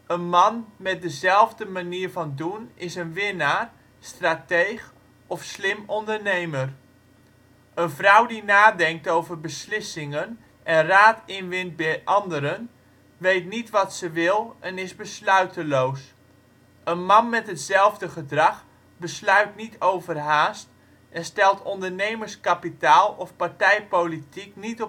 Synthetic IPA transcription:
ənmɑnmɛt̚dəzɛlˠvdəmaniːɹvɑndunɪsənʋɪnaːr | straːtejχ | ɔfslɪmɔndəɹnejmər | ənvrʌwdinaːdɛŋk̚towvərbəslɪsɪŋən | ʔɛnraːtɪnʋɪnt̚bɛjʔɑndəɾən | ʋejtnitʋɑtsəʋɪlˠɛnɪzbəslœɥtəlows | ənmɑnmɛtɦətsɛlˠvdəχədrɑχ | bəslœɥtnitʰowvərɦaːst | ʔɛnstɛlˠtɔndəɹnejmərskapitaːlˠɔfpaɹtɛjpowlitiknitɔ

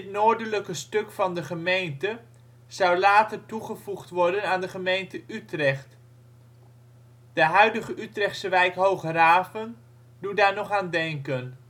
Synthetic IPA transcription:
ɪtnoːɹdələkəstɵkfɑndəχəmejntə | z̥ʌwlaːtərtuχəvuχtʋɔɹdənaːndəχəmejntəʔytrɛχt | d̥əɦœɥdəχəʔytrɛχtsʋɛjkɦowχəraːvən | d̥udaːɹnɔχaːndɛŋkən

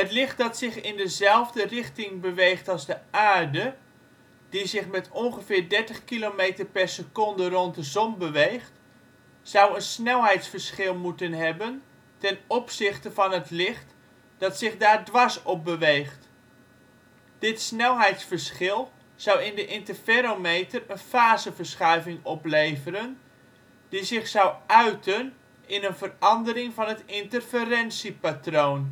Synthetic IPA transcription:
ɦətlɪχt̚dɑtsɪχɪndəzɛlˠvdərɪχtɪŋbəʋejχtɑlˠzdəʔaːɹdə | d̥izɪχmɛtɔŋχəvɪːɹdɛɹtəχkilomejtəɹpɛɹsəkɔndərɔntdəzɔmbəʋejχt | z̥ʌwənsnɛlˠɦɛjtsfəɹsχɪlˠmutənɦɛbən | tɛnɔpsɪχtəvɑnɦətlɪχt | d̥ɑtsɪχdaːɹdʋɑsɔp̚bəʋejχt | d̥ɪtsnɛlˠɦɛjtsfərsχɪlˠ | z̥ʌwɪndəʔɪntərfeɾomejtərənfaːzəvəɹsχœɥvɪŋɔplejvəɾən | d̥izɪχsʌwœɥtʰən | ɪnənvərɑndəɾɪŋvɑnətɪntərfərɛnsipatrown

